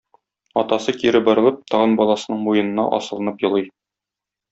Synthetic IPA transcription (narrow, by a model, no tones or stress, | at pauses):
ɒt̪ɑsɤkiɾɘbɒ̆ɾɤ̆lˠɤp̚t̪ɒʁɤnbɒlˠɑsɤ̆nɤɴmujɤ̆nɤ̆nːɑ̰ʔɒ̰sɤ̆lˠɤ̆nɤpjɤ̆lˠɤj